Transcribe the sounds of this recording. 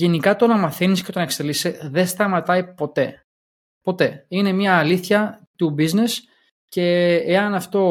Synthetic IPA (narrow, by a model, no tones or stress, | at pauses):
e̞nikɐt̪onɐmɐθenisce̞t̪onɐekst̪eliseðe̞st̪ɐmɐt̪ɐipo̞t̪e̞ | po̞t̪e̞ine̞mɲɐːliθçɐt̪ubizne̞s | ce̞eɐnɐft̪o̞